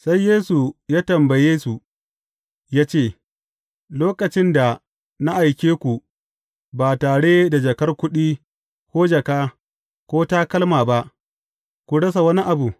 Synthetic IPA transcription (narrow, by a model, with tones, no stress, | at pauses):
sa˦jːeː˦su˨jaː˦tɐ˨mbɐ˨jeː˦su˨ | jaː˦t͡ʃeː˦˨ | loː˦kɐ˨t͡ʃɪ˦nda˨ | na˦ʔa˨jkʲeː˦kʷu˨ | baː˨taː˨ɽe˦da˨d͡ʒɐ˨kɐ˦rkʷʊ˦ɗiː˦ | kʷoː˦d͡ʒɐ˨kaː˦ | kʷoː˦taː˦kɐ˦lmaː˨ba˦ʔ | kʷu˨ɽɐ˦s̬a˨wɐ˦ni˦ʔa˨bu˨